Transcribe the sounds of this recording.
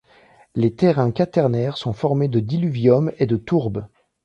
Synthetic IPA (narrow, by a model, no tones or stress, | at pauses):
let̪ɛʁɛ̃kat̪ɛʁnɛʁsɔ̃fɔʁmed̪əd̪ilyvjɔmed̪ət̪uʁb